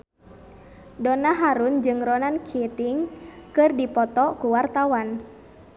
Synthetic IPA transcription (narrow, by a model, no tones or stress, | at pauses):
dɔnaɦaɾund͡ʒɨŋɾɔnankʰit̪iŋkɨrdipɔt̪ɔkuwart̪awan